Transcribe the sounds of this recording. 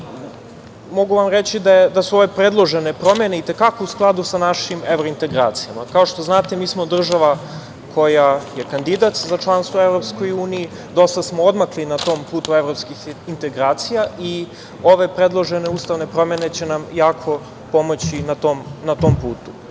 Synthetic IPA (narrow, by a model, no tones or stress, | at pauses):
mo̞ɡuʋamɾet͡ɕid̪ajed̪asuo̞ʋe̞pɾed̪lˠoʒene̞pɾo̞me̞ne̞it̪e̞kako̞usklˠad̪usanaʃimeʋɾoint̪e̞ɡɾa̰ːt̪sijama̰kao̞ʃt̪o̞znaːt̪e̞miːsmod̪r̩ʒaʋa | kʰo̞jajekand̪id̪at̪zat͡ʃlˠanst̪ʋoevɾo̞pskojuːniji | d̪o̞st̪asmood̪maklinat̪o̞ːmpuːt̪uevɾopskixint̪eɡɾaːt̪sijaʔi | o̞ʋe̞pɾe̞d̪lˠo̞ʒe̞ne̞uːst̪aʋne̞pɾo̞me̞ne̞t͡ɕenamjaːkʰo̞ | po̞mo̞t͡ɕinat̪omnat̪o̞mpuːt̪u